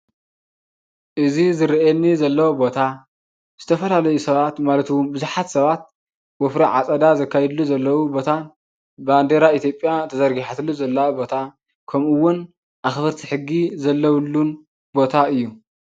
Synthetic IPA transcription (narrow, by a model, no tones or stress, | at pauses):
ʔɨzizɨɾiʔenːizɐlːɐwobo̞t̪ʰa | z̥ɨt̪ʰɐfɐlalɐjusɐβat̪malɐt̪wumbɨzuħat̪sɐβat̪̚ | wofɾiʕa̰t͡sʼɐd̪azɐkʰːajɛd̪luzɐlːɐwubo̞t̪ʰan | band̪eɾait̪ʰjo̞pʼjat̪ʰɐzɐɾɡiħat̪ʰɨluzɐlːɐwbo̞t̪ʰa | kʰɐmʔuwːʊn | ʔaxβɐɾt̪ʰi̥ħɨɡːizɐlːɐwlːun | bo̞t̪ʰaɨjːu